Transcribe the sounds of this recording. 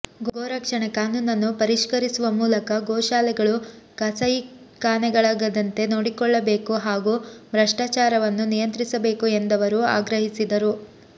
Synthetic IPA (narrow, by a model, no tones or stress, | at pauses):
ɡɡoːɾɐkʂɐɳekaːnuːnɐnːupɐɾiʂkɐɾisuʋɐmuːlɐkɐɡɔːʃaːlɛɡɐɭukɐsɐj | kaːnɛɡɐɭaːɡɐd̪ɐnt̪e̞no̞ːɽikɔɭːɐbe̞ːkuɦaːɡumɾɐʂʈaːt͡ʃaːɾɐʋɐnːunijɐnt̪ɾisɐbe̞ːkue̞nd̪ɐʋɐɾua̰ːɡɾɐɦisid̪ɐɾu